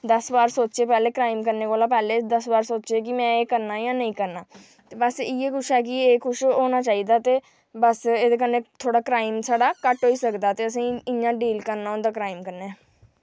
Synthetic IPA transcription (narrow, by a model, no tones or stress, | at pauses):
d̪əsbaːɾsoːt͡ʃeːpɛːleːkɾaːɪmkəɾneːkoːlaːpɛːleːd̪əsbaːɾsoːt͡ʃeːk̬ɪmɛ̃ːeːkəɾnaːjãːnəĩːkəɾnaː | t̪eːbəsɪeːkʰʊʃɛːk̬ɪeːkʰʊʃoːnaːt͡ʃaːiːd̪aːt̪eː | bəseːd̪eːk̬ənːeːt̪ʰoːɽaːkɾaːɪmsaːɽaːkəʈɦoːiːsəkd̪aːt̪eːəs̬ĩːɪãːɖiːlkəɾnaːʊ̃nd̪aːkɾaːɪimkəɾneɛː